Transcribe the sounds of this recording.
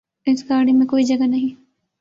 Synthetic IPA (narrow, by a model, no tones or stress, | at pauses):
ɪsɡaːɾɽimẽkoːid͡ʒɐɡanɐɦĩ